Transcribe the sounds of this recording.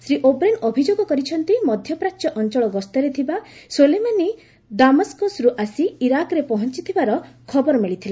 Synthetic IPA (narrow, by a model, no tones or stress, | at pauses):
sɾiʔobɾenobʱid͡ʒoɡɔkɔɾit͡ʃʰɔnt̪imɔd̪ʱjɔpɾat͡ʃɔʔɔnt͡ʃɔɭɔɡɔst̪ɔɾet̪ʰibasolemani | d̪amɔskosɾuʔasiiɾakɔɾepɔɦɔnt͡ʃit̪ʰibaɾɔkʰɔbɔɾɔmiɭit̪ʰile